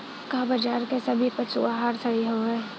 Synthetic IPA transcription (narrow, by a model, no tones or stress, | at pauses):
kabɐd͡ʒaːɾkesɐbʱipɐt͡ʃṵaːɦaːɾsɐɦiɦoɛː